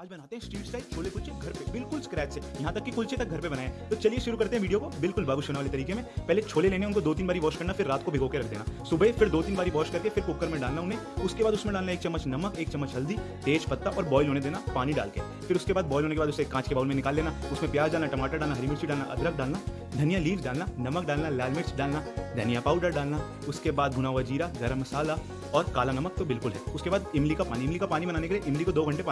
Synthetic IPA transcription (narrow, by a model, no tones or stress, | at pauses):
aːd͡ʒbɐnaːt̪eɦɛ̃sʈiːʈsaːɪd̪̚t͡ʃʰoːlekʊlt͡ʃeɡʱɐɾpebɪlkʊlskɾɛːʈsejɐɦãt̪ɐkːikʊlt͡ʃet̪ɐk̚ɡʱɐɾpebɐnaːẽt̪ot͡ʃɐlieʃʊɾukɐɾt̪eɦɛ̃ʋiːɖijokobɪlkʊlbaːɡʊʃɦoːneʋaːlet̪ɐɾiːkemẽpɛɦlet͡ʃʰoːleleːneɛ̃ʊnkod̪oːt̪̬iːnbaːɾiʋɔːʃkɐɾnafɪɾːaːt̪kobʱɪːɡokeɾɐkʰd̪ḛːnasʊbefɪɾd̪oːt̪iːnbaːɾiʋɔːʃkɐɾkefɪɾkoːkəɾmẽɖaːlnaʊnɦẽʊskebaːd̪ʊsmẽɖaːlnaeːk̚t͡ʃɐmːət͡ʃnɐməkeːk̚t͡ʃɐmːət͡ʃɦɐld̪it̪eːʃpɐt̪ːaʔɔːɾbɔːɪlɦoːned̪eːnapaːniɖa̰ːlkḛ | fɪɾʊskebaːd̪̚bɔːɪlɦoːnek̬ebaːd̪ʊseːkːãːt͡ʃkebaːʊlmẽnɪkaːlːeːnaʊsmẽpjaːzɖaːlnaʈɐmaːʈaɖaːlnaɦɐɾimʊɽsiɖaːlnaʔɐ̰d̪ɾək̚ʰɖaːlna | d̪ʱɐnijaliːɖaːlnanɐmək̚ɖaːlnalaːlmɪʈsɖaːlnad̪ʱɐnijapaːʊɖəɾɖaːlna | ʊskebaːd̪̚bʱʊnaɦʋad͡ʒiːɾaɡɐɾəmːɐsaːla | ɔːɾkaːlanɐmək̚t̪obɪlkʊlɦɛ̰ːʊskebaːd̪ɪmlikapaːniɪmlikapaːnimɐnaːnekelieʔɪ̃mlikod̪oːɡʱɐ̃ɳʈepaː